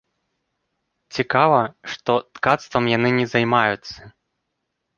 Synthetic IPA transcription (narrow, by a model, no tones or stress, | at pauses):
t͡sʲikavɐʂt̪ɔt̪kat̪st̪vɐmjanɨnʲɛzajmajut̪sɐ